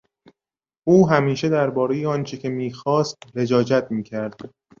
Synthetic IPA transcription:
ʔuːɦæmiːʃe̞d̪æɾbɒːɾe̞jeɒːnt͡ʃʰecʲʰe̞miːxɒːst̪ɾe̞d͡ʒɒːd͡ʒæt̪̚ʰmiːcʰæɾd̪̥

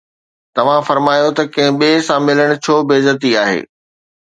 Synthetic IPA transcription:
t̪ɐʋ̤ãfɐɾmaːjot̪ɐkɐ̃ɦɪ̃ɓeːsãmɪləɽ̃ʊ̆t͡ɕʰoːbeːzət̪̬iaːɦḛː

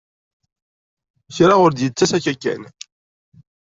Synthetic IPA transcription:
çɾaʁʊɾd̪jət͡sːæsæçækːæ̰n

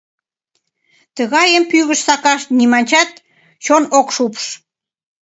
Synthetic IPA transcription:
t̪əɣɑjəmpyɣəʃsɑkɑʃt̪nimɑnʲt͡ɕɑt̪̚ | t͡ɕonokʃupʃ

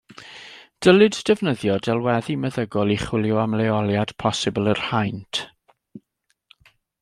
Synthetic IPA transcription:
d̥əlˠɨddɛvnəðjɔdɛlˠwɛðimɛðəɡɔlˠiχwɪlˠjʊamlɛɔlˠjad̥pʰɔsɨbəlˠər̥hajntʰ

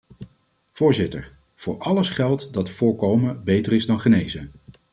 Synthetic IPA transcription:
v̥ʊːɹzɪtə̰ɹ | v̥ʊːɹɑləsχɛlˠtdɑtfʊːɹkowməbejtərɪzdɑnχənejzə

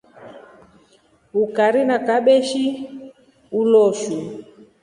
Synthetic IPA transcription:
ukaɾinakaɓɛʃi | ulɔʃu

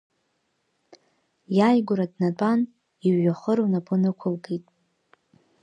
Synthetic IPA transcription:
jajɡʷʊɾadnat͡pʼan | iɥːaχəɾownapʼʊnɨkʷʰʊlɡejtʼ

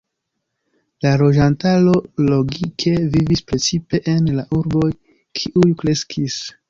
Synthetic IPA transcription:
lalo̞d͡ʒantalo̞lo̞ɡikʰe̞vivispɾe̞t͡sipe̞ʔenlaʔuɾbo̞j | kʰiʔujkɾe̞skʰis

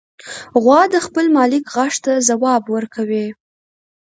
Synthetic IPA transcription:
ɣwɑd̪əxpəlmɑlɪkɣaʂt̪azawɑbwəɾkʰawe

